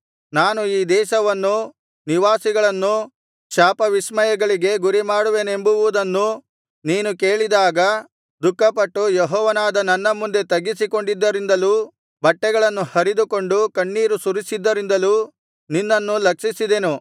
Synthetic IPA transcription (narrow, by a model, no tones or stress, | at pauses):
naːnuiːd̪ɛːʃɐʋɐnːu | niʋaːsiɡɐɭɐnːu | ʃaːpɐʋismɐjɐɡɐɭiɡe̞ɡuɾimaːɽuʋe̞ːne̞mbuʋuʋud̪ɐnːu | niːnuke̞ːɭid̪aːɡɐ | d̪ukːɐpɐʈːujɛɦɔːʋɐnaːd̪ɐnɐnːɐmund̪e̞t̪ɐɡisiko̞ɳɖid̪ːɐɾind̪ɐluː | bɐʈːɛɡɐɭɐnːuhɐɾid̪uko̞ɳɖukɐɳːiːɾusuɾisid̪ːɐɾind̪ɐluː | ninːɐnːulɐkʂisid̪e̞nu